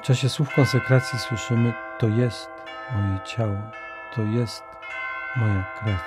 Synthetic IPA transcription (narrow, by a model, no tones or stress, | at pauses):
ft͡ʂaɕɛswufkɔnsɛkɾat̪sʲjiswɘʂɘmɘt̪ɔjɛst̪ | mɔjɛt͡ɕawɔ | t̪ʰɔjɛst̪ | mɔjakɾa